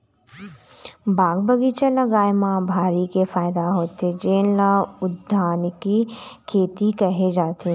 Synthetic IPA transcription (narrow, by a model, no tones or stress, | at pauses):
bʱaːɡbəɡit͡ʃə̃lɐɡaːjmãbʱaːɾikefaːɪd̪aɦoːt̪ed͡ʒeːnlaʊd̪ʱːaːnkikʰeːt̪ikɐɦed͡ʒaːt̪e